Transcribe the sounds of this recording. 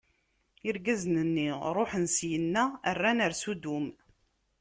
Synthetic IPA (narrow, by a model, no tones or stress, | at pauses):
iɾɡæznənːiɾˤoħənsjənːæərːænəɾsud̪um